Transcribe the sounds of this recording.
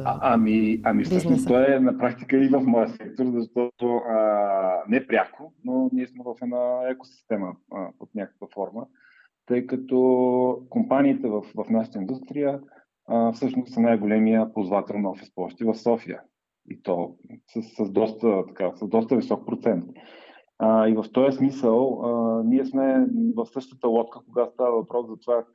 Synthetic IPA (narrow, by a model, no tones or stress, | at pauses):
ʔamiɐmifsɤʃnost̪ɔɛnɐpɾakt̪i̥kəivəfmɔjəsɛk̚t̪oɾzɐʃt̪ɔt̪oənɛpɾʲjakononiɛsmɛvəfɛnaɛko̥si̥st̪ɛməot̪nʲakə̥kvəfɔɾmə | t̪ɤjkət̪ɔkompaniːt̪ɛvəfvɐfnaʃə̥t̪əind̪ust̪ɾijə | fsɤʃnost̪sɐnajɡolɛmijəpozvat̪ɛlˠnɔfɛspɔʃt̪ivəfsɔfiə̰ | ḭt̪ɔsəsəzd̪ɔst̪ət̪ɐ̥kasəzd̪ɔst̪əvisɔk̚pɾot̪sɛnt̪̚ | əivɐft̪ɔjəsmisəlˠəniɛsmɛvəfsɤʃt̪ət̪əlˠɔt̪̚kəkoɡast̪avəvɐpɾɔszɐt̪ova